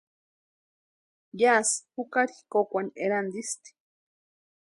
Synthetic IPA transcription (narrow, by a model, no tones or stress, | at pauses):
jashukaɾii̥kokʷaneɾand̪ist̪i̥